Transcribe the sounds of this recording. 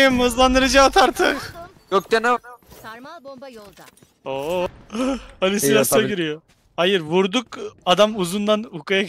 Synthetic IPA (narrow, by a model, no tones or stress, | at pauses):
imɯzlˠand̪ɯɾɯd͡ʒaːt̪ʰaɾt̪ʰɯq | jok̚t̪ena | o | alʲisilasoɟiɾijo | hajɯɾvuɾd̪ukad̪amuzund̪anukaja